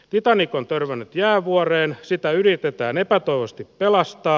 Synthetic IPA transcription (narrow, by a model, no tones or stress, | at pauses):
t̪it̪ɑnikont̪ørʋænːyt̪jæːʋuɑreːnsit̪æyrit̪et̪æːnepæt̪oiʋost̪ippelɑst̪ɑː